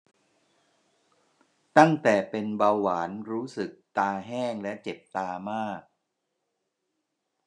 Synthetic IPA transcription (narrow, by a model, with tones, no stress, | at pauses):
t̪a˥˩ŋt̪ɛː˨˩pe˧nbaː˧waː˩˦nɾuː˦˥sɯ˨˩k̚t̪aː˧ɦɛː˥˩ŋlɛ˦˥t͡ɕe˨˩p̚t̪aː˧maː˥˩k̚